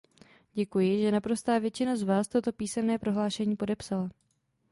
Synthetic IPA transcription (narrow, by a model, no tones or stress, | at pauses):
ɟɛkujɪʒɛnapɾo̞st̪aːvjɛt͡ʃɪnazvaːst̪o̞t̪o̞piːsɛmnɛːpɾo̞ɦlaːʃɛɲiːpo̞dɛpsala